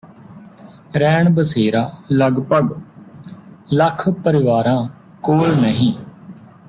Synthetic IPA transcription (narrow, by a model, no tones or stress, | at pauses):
ɾɛːɳbəseːɾaːləɡpəɖ | ləkʰpəɾɪʋaːɾãː | koːlnəɦĩː